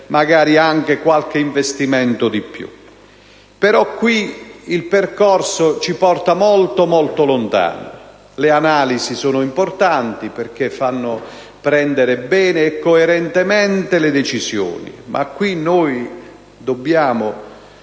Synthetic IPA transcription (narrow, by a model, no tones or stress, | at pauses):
maɡaːɾiaŋk̟ekwalk̟eiɱvest̪imɛnt̪ʊd̪ipːjṵ | peɾɔkːwiilperkɔrsot͡ʃipɔrt̪amɔlt̪omɔlt̪olont̪a̰ːno | leanaːlizisoːnʊimport̪ant̪iperk̟efːanːʊ | pɾɛnd̪eɾebɛːneːkːoeɾɛnt̪emɛnt̪eled̪et͡ʃizjo̰ːnḭmʔa̰kːwinoːj | d̪obːjaːmʊ